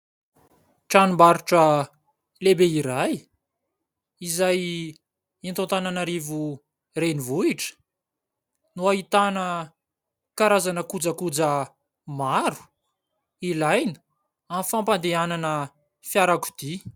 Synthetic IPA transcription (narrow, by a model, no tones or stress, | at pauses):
ʈ͡ʂanimbaɾuʈ͡ʂə | lebeiɾaj | izaj | int̪õnt̪ananaɾivu | renivuiʈ͡ʂə̥ | nuaɦit̪anə | kaɾazanəkud͡zəkud͡zə | maɾu̥ | ilajnə̥ | amfampand̪eananə | fjaɾaku̥d̪̥i